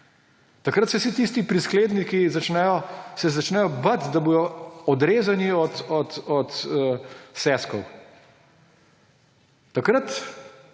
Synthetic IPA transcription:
t̪akɾət̪sɛsit̪ist̪ipɾiskleːd̪nikizat͡ʃnɛjɔsɛzat͡ʃnɛjɔbɐt̪d̪abuːd̪ɔɔd̪ɾeːzaniɔt̪ɔt̪ɔt̪ː | sɛːskɔw | t̪ːakɾət̪

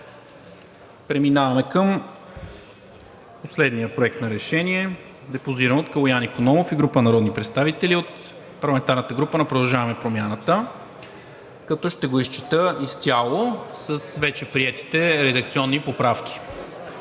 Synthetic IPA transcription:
pɾɛminavɐmɛkəm | poslɛd̪nijəpɾoɛk̚t̪nɐɾɛʃɛniɛ | d̪ɛpoziɾənot̪kɐlˠojanikonɔmofiɡɾupənɐɾɔd̪nipɾɛt̪st̪avit̪ɛliot̪ | pɐɾlˠɐmɛnt̪aɾnət̪əɡɾupənɐpɾod̪ɐlˠʒavɐmɛpɾomʲjanət̪ə | kɐt̪ɔʃt̪ɛɡoist͡ʃi̥t̪əist̪ʲjalˠosəsvɛt͡ʃɛpɾiɛt̪i̥t̪ɛɾɛd̪ɐkt̪siɔnːipopɾafkʲi̥

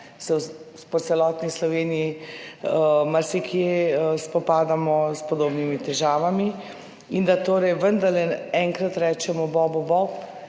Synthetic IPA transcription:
sɛw | pɔt̪sɛlɔːt̪nislɔʋeːnijiəmaɾsikjeəspɔpaːd̪amɔspɔd̪oːbnimit̪ɛʒaːʋami | ind̪at̪oːɾɛjʋənd̪aɾlɛɛŋkɾat̪ɾɛːt͡ʃɛmɔbɔbɔbɔp

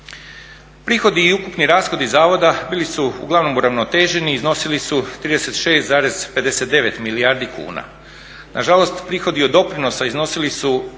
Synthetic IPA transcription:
pɾiːxo̞d̪iːukupniɾaːsxo̞d̪izaːʋo̞d̪abiːlisuṵɡlˠaʋno̞muɾaʋnot̪e̞ːʒe̞niːzno̞silisut̪ɾiːd̪e̞se̞t̪ʃe̞ːst̪zaːɾe̞z̥pe̞d̪e̞se̞t̪̚d̪e̞ʋe̞t̪miliaːɾd̪ikṵːna̰ | nʔaʒalˠo̞st̪pɾiːxod̪iod̪o̞pɾino̞saizno̞silisu

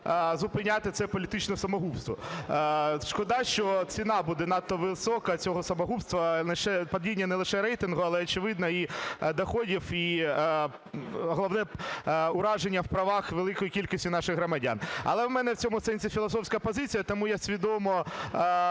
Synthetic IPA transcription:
zʊpɪnʲat̪ɪt̪sɛpɔlʲit̪ɪt͡ʃnɔsɐmɔɦupst̪ʋɔ̰ | ʃkɔd̪ɑʃt͡ʃɔt͡sʲinɑbud̪ɛnɑt̪ːɔʋɪsɔkɐt͡sʲɔɦɔsɐmɔɦupst̪ʋɐlˠɪʃɛpɐdʲinʲːɐnɛlˠɪʃɛɾɛjt̪ɪnɦʊɐlˠɛɔt͡ʃɪʋɪd̪nɐid̪ɐxɔdʲiwi | ɦɔlˠɐʋnɛʊɾɑʒenʲːɐwpɾɐʋɑxʋelˠɪkɔjikʲilʲkɔsʲtʲʊnɑʃɪɣɦɾɔmɐdʲa̰nɐ̰lˠɛwmɛnɛwt͡sʲɔmʊsɛnʲsʲifʲilˠɔsɔfsʲkɐpɔzɪt͡sʲijɐt̪ɔmujɛsʲʋʲid̪ɔmɔ

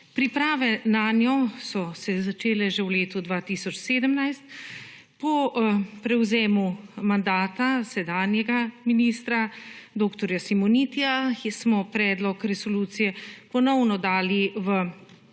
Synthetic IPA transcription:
pɾipɾaːʋɛnaːnjɔsɔsɛzat͡ʃeːlɛʒɛwleːt̪ud̪ʋaːt̪isɔt͡ʃseːd̪əmnajst̪̚ | pɔpɾɛwzeːmumand̪aːt̪asɛd̪aːnjɛɡaminiːst̪ɾad̪oːkt̪ɔɾjasimɔnit̪iasmɔpɾɛːd̪lɔkɾɛsɔluːt̪sijɛpɔnɔwnɔd̪aːliʋə

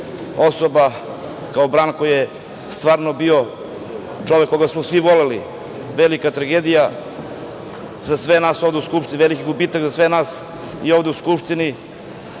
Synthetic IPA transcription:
osoba | kaobɾaːnkojije | st̪ʋaːɾnobio | t͡ʂoʋekːoɡasmosʋiʋolelḭ | ʋelikat̪ɾaɡeːd̪ija | zasʋenaːso̞vd̪euskupʃt̪inivelikiɡubit̪akzasvʋenaːs | iovd̪euskupʂt̪ini

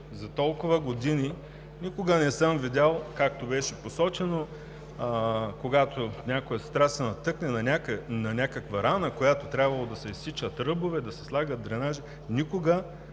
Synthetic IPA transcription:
zɐt̪ɔlˠkʊvɐɡod̪ini | nʲikoɡənɛsəmvid̪ʲalˠkak̚t̪obɛʃɛposɔt͡ʃɛno | koɡat̪onʲakojɛst̪ɾasɛnɐt̪ɤknɛnɐnʲaknɐnʲakəkvɐɾanəkojat̪ot̪ɾʲabvɐlˠod̪ɐsɛisːit͡ʃət̪ɾɤbovɛd̪ɐsɛ̥slˠaɡəd̪̚d̪ɾɛnaʒi | nʲikoɡə

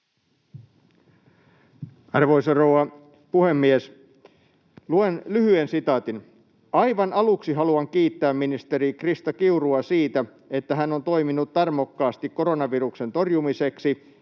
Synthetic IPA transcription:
ɑrʋo̞isɑrouwɑ | puhe̞mːies | luenlyhyensit̪ɑːt̪in | ɑjʋɑnɑluksiɦɑluɑŋkiːt̪ːæːmminist̪e̞ɾikrist̪ɑkiuruɑsiːt̪æ | e̞t̪ːæɦæno̞nt̪o̞jminut̪tɑrmokːɑːst̪ikkːo̞ɾo̞nɑʋirukse̞nt̪o̞rjumise̞ksi

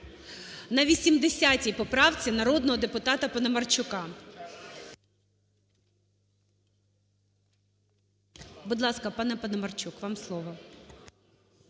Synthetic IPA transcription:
nɐʋʲisʲimd̪esʲatʲijpɔpɾɑwt͡sʲinɐɾɔd̪nɔɦɔd̪epʊt̪ɑt̪ɐpɐnɐmɐrt͡ʃʊkɑ | bʊd̪lˠɑskɐpɑnɛpɐnɐmɐrt͡ʃukʋɑmslˠɔʋɔ

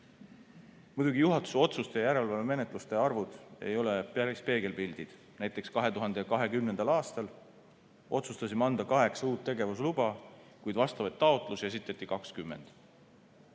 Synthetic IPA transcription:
mud̪uɡijuɦɑt̪ːˑu̥so̞t̪sust̪e̞jjæɾe̞lvɑleme̞ne̞t̪ˑlust̪e̞ɑrvud̪̥e̞̰jo̞le̞pjæɾispe̞ːɡe̞lpild̪̥id̪̥ | næjt̪ːˑe̞kskɑɦe̞t̪uɦɑnd̪ejɑkɑɦe̞kymne̞nd̪̥ɑlɑːst̪ɑl | ʔo̞t̪sust̪ɑsimɑnd̪̥ɑkɑɦe̞ksɑuːt̪ːe̞ɡe̞vuslub̥ɑ | kujd̪vɑst̪ɑvɑjt̪ːɑo̞t̪ˑlusjɑes̬it̪ːˑet̪ːˑikɑkskymːe̞̰nd̪̥

